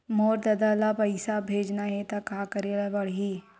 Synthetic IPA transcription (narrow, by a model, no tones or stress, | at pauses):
moːɾd̪ɐd̪alapɐɪsabʱeːd͡ʒnaɦɛt̪akaːkɐɾeːlabɐɽ̤ɦiː